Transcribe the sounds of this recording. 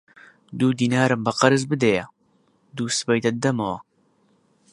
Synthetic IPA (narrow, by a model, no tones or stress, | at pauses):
d̪uːd̪iːnaːɾɨmbɐqɐɾɨzbɨd̪ejɐ | d̪uːsɨ̥bɐjt̪ɐt̪̚d̪ɐmɐwɐ